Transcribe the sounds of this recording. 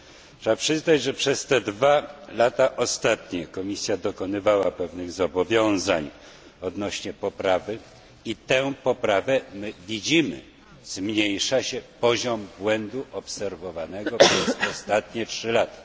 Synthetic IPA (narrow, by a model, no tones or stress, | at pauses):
tʂɛapʂɘznad͡ʑʐɛpʂɛst̪ɛd̪valat̪aʔɔst̪at̪ɲɛkɔmʲisʲjad̪ɔkɔnɘvawapɛvnɘɣzɔbɔvʲjɔ̃w̃zaɲ | ɔd̪nɔɕɲɛpɔpɾavɘ | it̪ɛ̃pɔpɾavɛmɘvʲid͡ʑimɘ̰ | zmɲejʂaɕɛpɔʑɔmbwɛnd̪uʔɔpsɛɾvɔvanɛɡɔpʂɛsɔst̪at̪ɲɛtʂɘlat̪ḁ